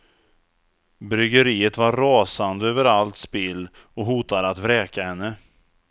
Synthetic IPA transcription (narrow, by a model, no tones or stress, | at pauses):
bɾʏɡəɾiːət̪vaɾɑːsand̪əøːvəɾalt̪spɪlː | ɔɦuːt̪ad̪əat̪vɾɛːkahɛnːə